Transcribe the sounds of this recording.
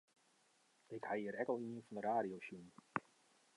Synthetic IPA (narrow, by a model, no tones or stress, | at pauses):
ɪkhajiəɾɛkɔlˠiənfɔndəraːɾijowsjun